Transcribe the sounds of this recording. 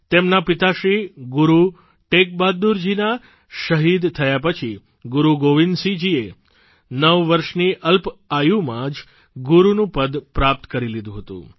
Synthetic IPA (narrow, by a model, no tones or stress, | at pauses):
t̪emnapit̪aʃɾiɡuɾu | ʈek̚bad̪uɾd͡ʒina | ʃəɦid̪t̪ʰəjapət͡ʃʰi | ɡuɾuɡoʋind̪sid͡ʒie | nəʋːəɾʃniʔəlpajumãd͡ʒ | ɡuɾunũpəd̪pɾap̚t̪kəɾilid̪ũɦət̪ṵ̃